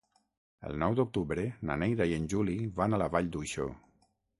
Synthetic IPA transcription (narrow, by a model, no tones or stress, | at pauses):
ə̰lˠnɔwd̪uk̚t̪uβɾenanejðaiənʲʒuliβanalaβaʎd̪ujʃo̰